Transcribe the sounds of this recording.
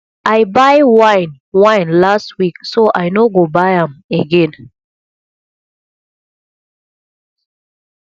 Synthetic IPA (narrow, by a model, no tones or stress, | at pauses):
ʔaɪbaɪwãɪn | wãɪ̃nlast̚wiksoʔajnoɡobaɪãmeɡɛ̃n